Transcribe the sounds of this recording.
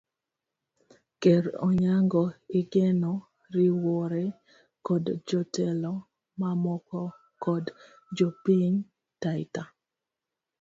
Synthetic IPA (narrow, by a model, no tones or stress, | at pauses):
keɾɔ̰ɲaŋɡɔɪɡenɔ | ɾɪwɔɾe | kɔdd͡ʒɔtɛlɔ | mamɔkɔ | kɔd | d͡ʒopiɲ | taɪta